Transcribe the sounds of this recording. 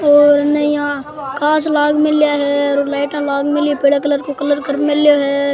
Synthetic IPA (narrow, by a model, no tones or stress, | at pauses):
oːɾnɐĩãːkaːslaːɡmɪlijaɦɛoːɾlaːɪʈãlaːɡmɪlipeɽakɐləɾkokɐləɾkəɾmɪlːjoɦɛ